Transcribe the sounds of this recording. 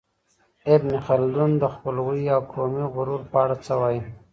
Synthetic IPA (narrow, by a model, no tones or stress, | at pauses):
ebnixald̪und̪əxpəlɣujawkʰomiɣʊɾuɾpːɽat͡səwaji